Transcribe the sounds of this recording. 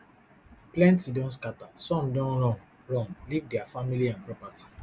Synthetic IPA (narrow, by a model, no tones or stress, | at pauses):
plɛ̃ntidɔ̃ns̬katasɔ̃mdɔ̃nɹɔ̃n | ɹɔ̃mlivdɛafamiliãnpɹɔpati̥